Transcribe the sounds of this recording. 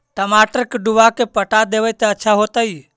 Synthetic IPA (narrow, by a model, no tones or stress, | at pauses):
ʈəmaːʈəɾkeɖuʋakepəʈad̪eːʋəjt̪eətːʃʰaɦoːt̪ai